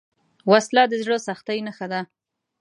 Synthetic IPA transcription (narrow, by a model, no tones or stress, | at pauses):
waslɑd̪əzɽosaxt̪ajnaxad̪a